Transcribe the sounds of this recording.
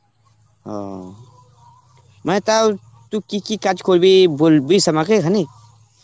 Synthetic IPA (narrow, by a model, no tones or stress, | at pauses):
ɦɔ̰ | mə̃t̪a | t̪ukikikad͡ʒkʰolbibolbisəmakekʰani